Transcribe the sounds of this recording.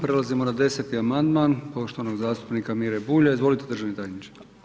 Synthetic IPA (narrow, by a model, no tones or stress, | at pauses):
pɾe̞lazimo̞nad̪e̞se̞t̪iamand̪maːnpo̞ʃt̪oʋanoɡzaːst̪u̥pnikamiɾebuːʎaizʋo̞lit̪ed̪ɾr̩ʒaʋnet̪ajnit͡ʃe̥